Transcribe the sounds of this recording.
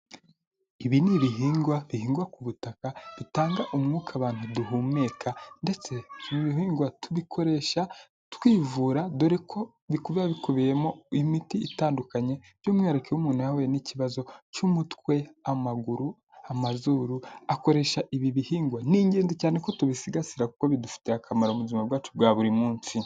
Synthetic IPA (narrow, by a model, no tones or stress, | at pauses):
iβiniβiɦiːŋɡwaβihiːŋɡwakuβutakaβitaːŋɡaʔumŋuːkʰaβaːn̥huduɦuːme̞kʰande̞t͡se̞βimiβiɦiːŋɡwatuβikʰo̞ɾe̞ʃa | tkwiːvuːɾadoɾekʰo̞ | βikuβiβaβikuβijemoimitiːtaːndukaɲe̞ | ɟomŋaːɾekeumuːnaweniciβazo̞cumutwe̞amaɡuɾu | amazuɾuako̞ɾe̞ʃaʔiβiβihiːŋɡwaniːɲɟeːnzicaːneko̞tuβisiɡasiɾakukoβidufi̥teakʰamaɾaumuzimabɡwaːt͡ʃubɡwaːβuɾimuːnsi